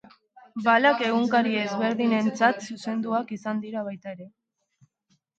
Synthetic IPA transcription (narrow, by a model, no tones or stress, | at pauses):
balake̞ɣ̞uŋkaɾie̞zβe̞ɾðine̞nt͡sat̪suse̞nd̪uakisand̪iɾaβ̞ajt̪ae̞ɾe̞